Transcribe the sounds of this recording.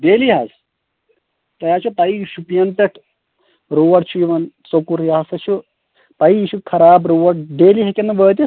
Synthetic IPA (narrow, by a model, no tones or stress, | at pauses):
ɖeːliɦɐs | t̪ɐjaːt͡ʃʰupɐiʃupijɐnt̪ɐʈʰ | ɾuːʋɐʈt͡ʃʰuiʋɐnsokuɾjɦasɐt͡ʃʰu | pɐiiʃukʰɐɾaːbɾuːʋɐʈɖeːliɦekʲenːɐʋəːt̪̬i